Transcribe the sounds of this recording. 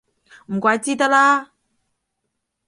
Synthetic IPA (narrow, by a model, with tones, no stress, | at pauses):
m̩˨kwa˨ti˦ta˦la˦